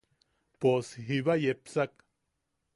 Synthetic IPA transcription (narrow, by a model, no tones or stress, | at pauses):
poshiβajepsak